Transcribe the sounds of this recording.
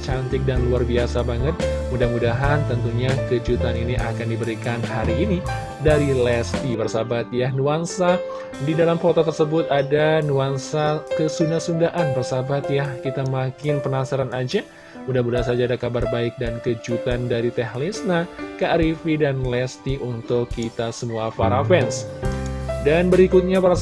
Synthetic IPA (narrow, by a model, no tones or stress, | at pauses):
t͡ʃant̪ɪk̚danluarbiasabaŋət̪̚mudahmudaɦant̪ənt̪uɲakəd͡ʒut̪aniniʔa̰kandibəɾikanhaɾiːni | daɾilɛst̪ibərsabat̪̚januansa | didalamfot̪ot̪ərsəbʊt̪adanuansakəsundasundaʔanbərsabat̪̚jahkit̪amakɪnpənasaɾanad͡ʒa | udahmudasad͡ʒaːdakabarbaɪk̚dankəd͡ʒut̪andaɾit̪ɛhlisnakəaɾifidanlɛst̪iʔunt̪ʊkːit̪asəmuafaɾafɛns | danbəɾikʊt̪̚ɲapaɾ